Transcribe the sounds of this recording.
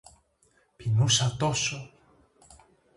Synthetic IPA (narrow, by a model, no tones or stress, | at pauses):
pinusat̪oso